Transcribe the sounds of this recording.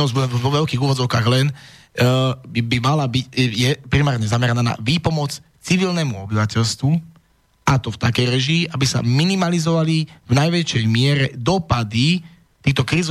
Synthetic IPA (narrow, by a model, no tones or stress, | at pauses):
ɔzbɔʋɔʋɛlkiːɣuːʋɔd͡zɔʊkaːɣlɛn | bimalabicjɛpɾimaːɾɲɛzamɛɾanaːna̰ʋiːpɔmɔt͡s | t͡siʋilnɛmuɔbiʋacɛlst̪ʋu | at̪ɔft̪akɛjɾɛʒiːʔabisa̰minimalizɔʋalivnajʋɛt͡ʃɛjmɪɛɾɛd̪ɔpad̪i | t̪iːxt̪ɔkɾiːz